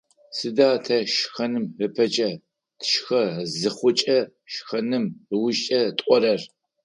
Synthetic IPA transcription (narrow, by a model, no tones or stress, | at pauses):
sɨdaːtʰɐʃxɐnɨmrɨpʰɐt͡ʃʼɐ | tʰʃxɐzɨχʷʊt͡ʃʼɐ | ʃxɐnɨmwʊʃt͡ʃʼɐtʼɔɾɐr